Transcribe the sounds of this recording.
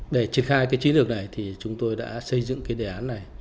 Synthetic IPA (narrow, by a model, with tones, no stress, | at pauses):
ɗe˧˩t͡ɕi˨˩ənxaː˧jkaː˨˦jt͡ɕi˨˦nlɨ˨˩ək̚na˨˩jt̪ʰi˨˩t͡ɕʊ˨˦ŋ͡mt̪o˧jɗa̰ː˧˥sə˧jzɨ̰˧˨ŋkaː˨˦jɗe˨˩ʔaː˨˦nːa˨˩j